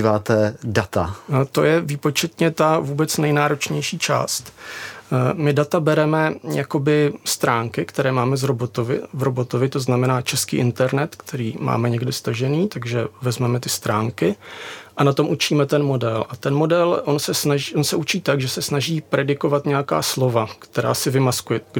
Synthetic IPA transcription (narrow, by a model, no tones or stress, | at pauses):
ivaːt̪ɛdat̪a̰t̪o̞̰jɛviːpo̞t͡ʃɛt̪ɲɛt̪avuːbɛt͡snɛjnaːɾo̞t͡ʃɲɛjʃiːt͡ʃa̰ːst̪ | mɪdat̪abɛɾɛmɛjako̞bɪst̪ɾaːŋkɪkt̪ɛɾɛːmaːmɛzɾobot̪ovɪ̰vɾobo̞t̪o̞vɪt̪o̞znamɛnaːt͡ʃɛskḭːʔɪnt̪ɛɾnɛt̪kt̪ʰɛɾiːma̰ːmɛɲɛɡdɪst̪aʒɛniːt̪aɡʒɛvɛzmɛmɛt̪ɪst̪ɾaːŋkɪʔanat̪o̞mʔut͡ʃiːmɛt̪ɛnmo̞dɛlʔat̪ɛnmo̞dɛlʔonsɛsnaiʔonsɛʔut͡ʃiːt̪aɡʒɛsɛsnaʒiːpɾɛdɪko̞vat̪ɲɛjaka̰ːslo̞vakt̪ɛɾa̰ːsɪvɪmaskujɛ